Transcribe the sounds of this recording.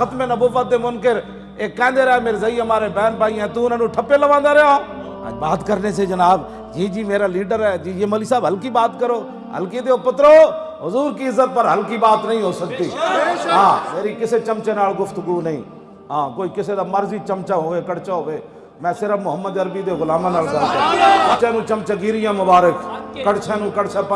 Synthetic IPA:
xət̪meːnəbʊːʋət̪̚d̪eːmʊnkɪɾ | eːkːɛ̃ːnd̪eɾəaːmeːɾezəiːmaːɾeːbɛːnpaːiːɛ̃ːt̪ũːnːnũːʈʰəpːeːləʋãːnd̪aːɾəɦoãː | ə̰d͡ʒbaːt̪kəɾneːs̬ed͡ʒənaːb | jeːd͡ʒiːmeːɾaːliːɖəɾɛːd͡ʒiːjeməliːsaːbɦəlkiːbaːt̪kəɾoː | ɦə̰lkiːd̪eoːpət̪ɾoːɦʊzuːɾkiɪzːət̪̚pəɾɦəlkiːbaːt̪nəɦĩːɦoːsəkt̪iːɦãːmeːɾiːkɪseːt͡ʃəmt͡ʃeːnaːlɡʊfʰt̪ʊɡuːnəɦĩː | ɦãːkoːiːkɪsed̪aːməɾzit͡ʃəmt͡ʃaːɦoːʋeːkəɽt͡ʃaːɦoːeː | mɛ̃ːsɪɾəfmʊɦəmːəd̪əɾbiːd̪eːɣʊlaːmaːnaːlkəɾsat͡ʃəmt͡ʃãnũːt͡ʃəmt͡ʃaːɡiːɾɪjãːmʊbaːɾəkkəɽt͡ʃʰãːnũːkəɽt͡ʃʰap

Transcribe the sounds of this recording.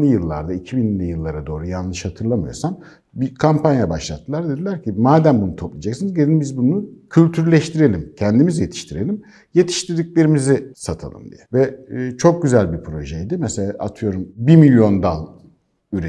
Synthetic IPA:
ɯjɯlˠːa̰ɾd̪aicʰibinilʲijɯlˠːaɾad̪o̞ːɾujanlˠɯʃhat̪ʰɯɾlˠamɯjo̞̰ɾsam | bikʰampʰanjabaʃlˠat̪ʰːɯlˠaɾd̪ed̪ilʲæɾcʰimaːd̪æmbunut̪ʰo̞plˠid͡ʒaksinizɟelʲinbizbunucʰylʲt̪ʰyɾlʲɛʃt̪ʰiɾe̞lʲimcʰɛnd̪imizje̞t̪ʰi̥ʃt̪ʰiɾe̞lʲim | je̞t̪ʰi̥ʃt̪iɾd̪icʲlʲe̞ɾimizisat̪ʰa̰lˠɯ̰md̪ḭjɛvɛt͡ʃʰo̞k̚ɟyzælʲbipʰɾo̞ʒɛjd̪imɛselʲaːʔat̪ʰɯjo̞ɾumbimilʲjo̞nd̪a̰lˠ | yɾe

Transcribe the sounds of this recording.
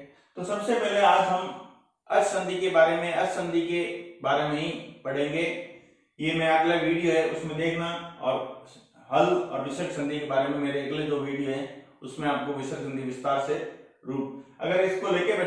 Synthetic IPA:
t̪osɐbsepɛɦleaːd͡ʒɦɐm | ɐd͡ʒsɐ̃nd̪ʱikebaːɾemẽɐd͡ʒsɐ̃nd̪ʱikebaːɾemẽɦĩpɐɽ̤ẽːŋɡeː | jemɛ̃aːplaɡʋiːɖijoɦɛʊsmẽd̪eːkʰnaɔːɾ | ɦɐlɔ̰ːɾdɪʃəʈsɐ̃nd̪ʱikebaːɾemẽmeːɾeɐɡled͡ʒoːʋiːɖijoɦɛ̃ː | ʊsmẽaːp̚koʋɪʃəɾɡɐ̃nd̪ʱiʋɪst̪aːɾse | ɾuːʈ̚ɐ̰ɡəɾɪskoleːkebɛː

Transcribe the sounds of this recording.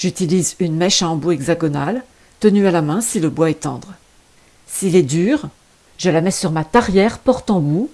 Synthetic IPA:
ʒyt̪ilizynmɛʃɑ̃buɛɡzaɡɔnal | t̪ənyalamɛ̃siləbwaɛt̪ɑ̃d̪ʁ | silɛd̪yːʁ | ʒəlamɛsyʁmat̪aʁjɛʁpɔʁt̪ɑ̃bu

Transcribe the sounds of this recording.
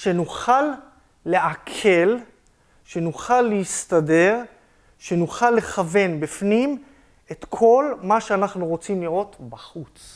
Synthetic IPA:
ʃe̞nuχalː | e̞ʔakʰe̞l | ʃe̞nuχalːeist̪ade̞ʁ | ʃe̞nuχalːe̞χave̞nbifnim | e̞t̪kʰo̞lmaʃeanaχnuʁo̞t͡simliʁo̞t̪baχut͡s

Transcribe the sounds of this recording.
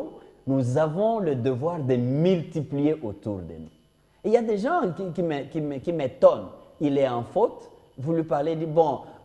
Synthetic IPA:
nuzavɔ̃ləd̪əvwaʁd̪əmylt̪iplijeʔot̪ṵʁd̪ə̰nṵ | iljad̪eʒɑ̃kikimekimkimet̪ɔnilɛɑ̃fot̪ | vulɥipaʁled̪ibɔ̃

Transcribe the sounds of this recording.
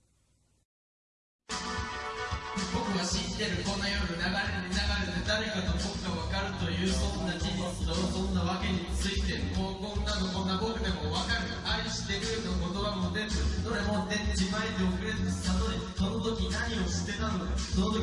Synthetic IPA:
bo̞kɯ̟βaɕĩnd̪e̞ɾɯ̟kõ̞nːajoːɡɯnaɡaɾenenaɡaɾed̪ed̪aɾe̞kat̪obokɯ̟kaβakaɾɯ̟t̪o̞jɯ̟ːsond̪at͡ɕi | sd̪oosõ̞nːaβake̞ɲ̟it͡sɨit̪e̞moːkõ̞nːanoko̞nːabokɯ̟d̪e̞mo̞βakaɾɯ̟ | aɾʲiɕi̥t̪eɾɯ̟noko̞t̪o̞bamodẽ̞ndekt̪od̪emod̪ed͡ʑibaid̪eokɯ̟ɾe̞ɾssat̪oɾi | so̞no̞t̪o̞kʲinaɲ̟io̞ɕi̥t̪e̞t̪anod̪asono̞t̪o̞

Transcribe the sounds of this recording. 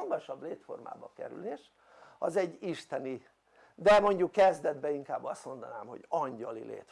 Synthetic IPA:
ɒɡɒʃɒbleːt̪fo̞̰rma̰ːbɒ̰kɛ̰ɾy̰leːʃ | ɒ̰zɛɟːiʃt̪ɛni | d̪ɛmo̞ɲɟukːɛzd̪ɛd̪bɛiŋkaːbːɒst̪mo̞nd̪ɒnaːmho̞̰ɒɲɟɒlḭlḛːt̪

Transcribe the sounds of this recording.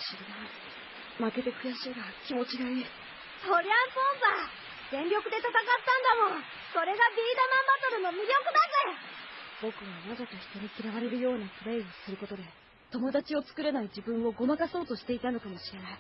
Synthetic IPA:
ɕiɾɯd̪a | make̞t̪e̞kɯ̟jaɕiɡakʲimo̞t͡ɕiɡai | soɾʲasõsa | ɡẽ̞mbʲjo̞kɯ̟d̪e̞t̪at̪akat̪ːãnd̪amo̞ | so̞ɾe̞ɡabʲiːd̪omãmbat̪o̞ɾɯ̟no̞mʲiɾʲo̞kɯ̟nakɯ | bo̞kɯ̟βamazakaçi̥t̪o̞ɲ̟ikʲiɾaβaɾe̞ɾɯ̟jo̞ːnapɯ̟ɾe̞io̞sɨɾɯ̟ko̞t̪o̞d̪e̞ | t̪o̞mo̞d̪at͡ɕio̞t͡sɨ̥kɯ̟ɾe̞naid͡ʑibɯ̟̃ɰ̃o̞ɡo̞makaso̞ːt̪o̞ɕi̥t̪e̞it̪ano̞kamo̞ɕiɾe̞nai

